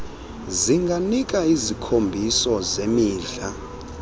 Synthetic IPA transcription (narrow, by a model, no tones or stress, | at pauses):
ziŋɡʱanik̬ʼaizikʰombʱisɔzemiːɮa